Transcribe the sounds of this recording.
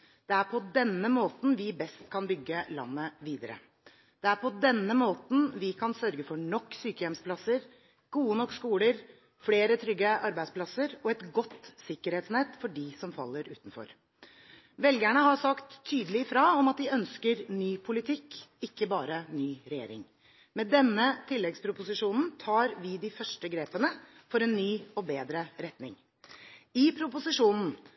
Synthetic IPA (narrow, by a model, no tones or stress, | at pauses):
d̪̥ɛæɾpʰɔd̪ɛnːəmoːt̪n̩ʋɪbɛst̪kʰɑnbʏɡːəlɑ̰nːəʋiːd̪əɾə̰ | d̪̥ɛæɾpʰɔd̪ɛnːəmoːt̪n̩ʋɪkʰɑnsœɾɡəfɔɳɔkːsyːkəjɛmspʰlɑsəɾ | ɡ̥uːənɔkːskuːləɾ | fleːɾət̪ʰɾʏɡːəʔɑɾbæɪd̪spʰlɑsəɾɔɛt̪ɡɔt̪ːsɪkːəɾheːt̪snɛt̪ːfɔɖɪsɔmfɑ̰lːəɾʉ̰ːt̪n̩fɔ̰ɾ | ʋɛlɡæɳəhɑsɑkt̪ʰːyːd̪əlɪfɾɑːɔmɑt̪̚d̪ɪœnskəɾnyːpʰʊlɪt̪ʰɪkːɪkːəbɑːɾənyːɾɛjḛːɾɪ̰ŋ | mɛd̪ɛnːət̪ʰɪlːɛɡspʰɾʊpʊsɪʂuːnn̩t̪ʰɑːɾʋɪd̪ɪfœʂʈəɡɾeːpənə | fɔɾɛnːyːɔbeːd̪ɾəɾɛt̪nɪ̰ŋ | ɪpʰɾʊpʊsɪʂuːnn̩